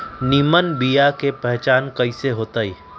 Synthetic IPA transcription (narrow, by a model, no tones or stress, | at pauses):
nimənbijakepɛɦt͡ʃaːnkɐiseɦoːt̪aːiː